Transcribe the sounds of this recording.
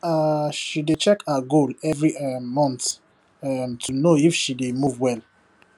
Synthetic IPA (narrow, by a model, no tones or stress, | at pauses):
aʃidet͡ʃɛkaɡolɛvɹimɔ̃nt | ɛmtʰunoifʃidemuvwɛl